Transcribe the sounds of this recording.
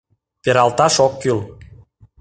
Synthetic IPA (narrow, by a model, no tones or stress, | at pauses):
peɾɑlt̪ɑʃokːyl